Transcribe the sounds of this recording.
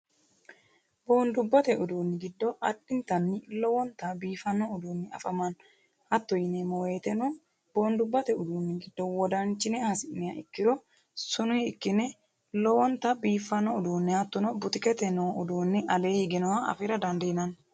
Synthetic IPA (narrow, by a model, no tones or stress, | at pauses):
boːnd̪ʊbːɐt̪ɛʔʊd̪uːnːɪɡɪd̪ːɔʔɐɗːɪnt̪ɐnːɪlɔwɔnt̪ɐbiːfɐnːɔʊd̪uːnːɪɐ̰fɐmɐn | hɐt̪ːɔjɪnemɔweːt̪ɛnɔ | b̥o̞ːnd̪ʊbːɐt̪ɛʊd̪uːnːɪɡɪd̪ːɔwɔd̪ɐnt͡ʃːɪnɛhɐsɪʔnɛjɐɪ̰kːɪɾɔ | sʊnʊjɪkːɪnɛ | lɔwɔnt̪ɐbiːfːɐnːɔʊd̪uːnːɪhɐt̪ːɔnɔbʊt̪ɪkɛt̪ɛnɔwʊd̪uːnːɪʔɐle̞ːhɪɡɪnɔwɐɐ̰fɪɾɐd̪ɐnd̪ɛjɪnɐn